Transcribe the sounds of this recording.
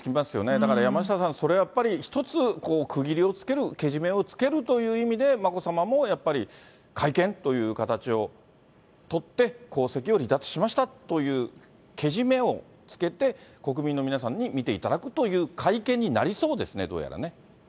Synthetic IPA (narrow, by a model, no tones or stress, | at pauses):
kʲiimasɨjo̞̰ne̞d̪akaɾajamaɕi̥sasãɰ̃so̞ɾe̞ajapːaɾʲiçi̥t̪o̞t͡sɨko̞ːkʰɯ̟ɡʲiɾʲio̞t͡sɨ̥ke̞ɾɯ̟ke̞ʑime̞o̞t͡sɨ̥ke̞ɾɯ̟t̪o̞jɯ̟ːimʲid̪e̞mako̞samamo̞japːaɾʲi | kʰaikẽ̞nt̪o̞jɯ̟ːkat̪at͡ɕio̞ | t̪o̞t̪ːe̞ko̞ːse̞kʲio̞ɾʲid̪at͡sɨ̥ɕimaɕi̥t̪at̪o̞jɯ̟ː | kʰe̞ʑime̞o̞ | t͡sɨ̥ke̞t̪e̞ko̞k̬ɯ̟mʲĩnːo̞mʲinasãɲ̟ːimʲit̪e̞ḭt̪ad̪akɯ̟t̪o̞jɯ̟ːkʰaikẽ̞ɲ̟ːina̰ɾʲiso̞ːd̪e̞sɨne̞d̪o̞̰ːja̰ɾa̰ne̞